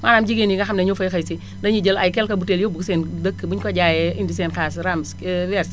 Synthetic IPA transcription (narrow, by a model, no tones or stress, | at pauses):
manamd͡ʒiɡeniŋɡaxamnɐɲofɐjxɐjsi | dɐɲid͡ʒəlajkɛlkɐbuteljobuksendəkːbuɲkoɟaːjɛindis̬ɛnkasɾamsɛwɛɾs